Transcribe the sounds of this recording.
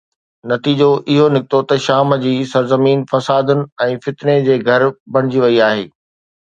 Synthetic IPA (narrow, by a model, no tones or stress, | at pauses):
nɐt̪iːd͡ʑoʔɪɦonɪkɪt̪ot̪ɐʃaːmd͡ʑiːsɐɾzəmiːnfɐsaːd̪ʊnɪ̆ɛ̃ːfɪt̪ned͡ʑeːɡʱɐɾbɐɽ̃ɪd͡ʑiʋɐiaːɦḛː